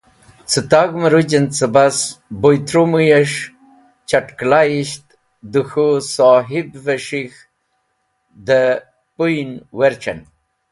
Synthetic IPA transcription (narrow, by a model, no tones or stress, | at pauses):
t͡sət̪aɡməɾud͡ʑənt͡səbasbojt̪ɾumujeʂ | t͡ɕaʈklajiɕt̪ | d̪uxusoɦibveʂix | d̪ə | pujnweɾt͡ʃə̰n